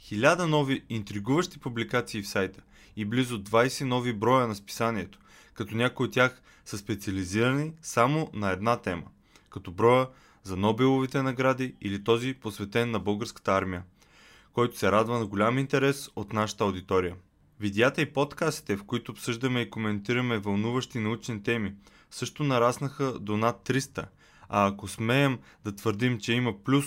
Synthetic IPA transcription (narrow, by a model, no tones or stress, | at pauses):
xilʲad̪ənɔviːnt̪ɾiɡuvəʃt̪i̥publikat̪siːfsajt̪ə̥ | iblizʊd̪vajsɛnɔvibɾɔjənɐspi̥sanʲiɛt̪o̥ | kɐt̪ɔnʲakoiot̪ːjax | səspɛt̪siɐliziɾɐnisamonɐɛd̪nat̪ɛmə | kɐt̪ɔbɾɔjə | zɐnɔbɛlˠovit̪ɛnɐɡɾad̪iilit̪ɔziposvɛt̪ɛnːɐbɤlˠɡəɾskə̥t̪əaɾmijə | kɔjt̪ʊ̥sɛɾad̪vɐnɐɡolʲamint̪ɛɾɛsot̪naʃə̥t̪əɐʊd̪it̪ɔɾijə | vid̪jat̪əipot̪kast̪i̥t̪ɛfkoit̪oːpsɤʒd̪əmɛikomɛnt̪iɾɐmɛvɐlˠnuvəʃt̪inɐut͡ʃnit̪ɛmi | sɤʃt̪onɐɾasnɐxəd̪onat̪ːɾist̪ə̰ | aːkosmɛɛm | d̪ɐt̪v̥əɾd̪imt͡ʃɛimɐplʲus